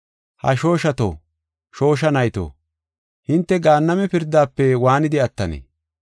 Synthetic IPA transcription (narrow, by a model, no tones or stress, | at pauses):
hɐ̰ʃo̞ːʃɐt̪o̰ | ʃo̞ːʃ̬ɐnɐjt̪o̰ː | hɪnt̪ːɛɡaːnːɐmɛpɪɾd̪aːpːɛwaːnɪd̪ɪɐt̪ːɐnḛ